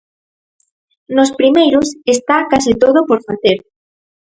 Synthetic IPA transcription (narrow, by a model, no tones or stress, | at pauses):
nospɾimejɾosest̪akasɪt̪oð̞opoɾfaθeɾ